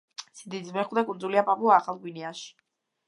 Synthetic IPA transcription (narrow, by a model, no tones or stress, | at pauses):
sid̪izmɛχwd̪akʼund̪zuliapʼapʼuaːχalˠɡwiniaʃi̥